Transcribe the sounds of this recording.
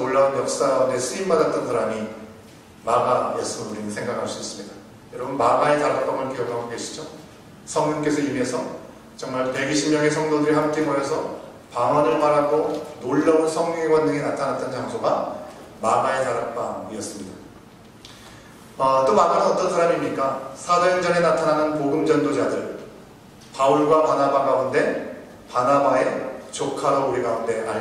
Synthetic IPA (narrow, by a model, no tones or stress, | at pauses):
oɭːaunjʌk̚s͈aɾaunde̞sʰɯimbadat̚t͈ʌnsʰaɾami | maɡamaɭs͈ɯmɯnuɾinɯsʰe̞ŋɡakʰaɭs͈uis͈ɯmɲida | jʌɾʌbunmaɡaetaɾak̚p͈amɯɭk͈eʌɡɦaɡoɡe̞ɕʰid͡ʑo | sʰʌŋɲʌŋk̬͈e̞sʰʌime̞sʰʌ | t͡ɕʌŋmaɭpe̞ɡiɕʰimɲʌŋe̞sʰʌŋdodɯɾiɦamk͈e̞mʌjesʰʌ | paŋʌnɯɭpaɾaɡonoɭːʌsʰʌŋɲʌŋeɡwandɯŋenatʰanat͈ʰʌnt͡ɕaŋsʰoɡa | maɡae̞taɾap͈aŋiʌs͈ɯmɲida | ʌt͈omaɡanɯnʌt͈ʌnsʰaɾamimɲik͈asʰad͡ʑʌɭd͡ʑʌne̞natʰananɯnpoɡɯmd͡ʑʌndod͡ʑadɯɭ | pauɭɡwapanabaɡaunde̞ | panabae̞t͡ɕokʰaɾouɾiɡaunde̞a